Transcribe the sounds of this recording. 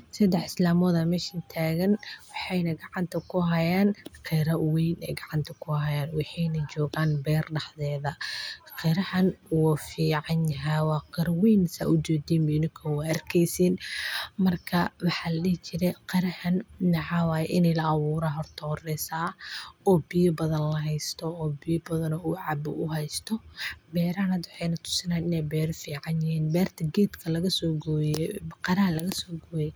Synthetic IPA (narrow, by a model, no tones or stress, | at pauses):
sɐd̪ɛħɪslaːmɔːðɐmɛːʃɐnt̪ʰaːɣɐnwɑħɑjnɐɡɑʕɑnt̪ʰɐkʰʊɦɐjaːnqɛɾɐwijnɛ̰jɡɑʕɑnt̪ʰɐkʰʊhɐjaːnwɑħɑjnɐt͡ʃɔːɣaːnbɛːrɖɑħðɛːðɐqɛɾɐhɐnwɔfiːʕɑnjɦawɑːqɛɾwijnsa̰ːʔʊd͡ʒɛːd̪iːmbɛɪnɪkʰɐwaɐrkʰɛjsiːnmɐrkʰɐwɑħɑːlɐlɛt͡ʃɪɾɛqɐɾɐhɐnnɐʕɑːwɑːjɛʔɪnɛjlɐɐβuːɾaɦɔrt̪ʰɔhɔrɛːsaːɔːbɪjɔbɐðɐnlɐɦɛjst̪ʰɔɔːbɪjɔbɐðɐnɔʊʕɑbʊ̰ʔʊhɛjst̪ʰɔbɛːɾɐhɐnɐd̪wɑħɛjnɐt̪ʰʊ̥sɪnaːnɪnɛjbɛːɾɔfiːʕɑnjɪɦiːnbɛːrt̪ʰɐɡɛːd̪kʰɐlɐɣɐsɔːɡɔjqɐɾɐhɐlɐɣɐsɔːɡɔːjɛ